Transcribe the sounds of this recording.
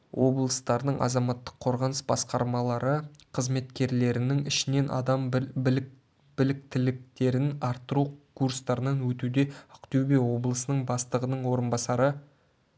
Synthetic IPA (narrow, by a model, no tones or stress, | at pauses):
wʔo̞blˠəst̪ɑɾd̪əɴʔɑ̰zɑmɑt̪ːə̥qʰːo̞ɾʁənəsbɑ̰sqɑɾmɑlˠɑɾəqʰəzme̞t̪kʲe̞ɾle̞ɾɪnɪŋɪʃɪne̞nʔɑ̰d̪ɑm | b̥ɪlɪk̚t̪ɪlɪk̚t̪e̞ɾɪnɑɾt̪ːəɾukʰurst̪ɑɾənɑnwɵt̪ud̪e̞ʊ̥qt̪ebe̞wo̞blˠəsənəɴbɑst̪əʁənəɴwo̞ɾənbɑsɑɾə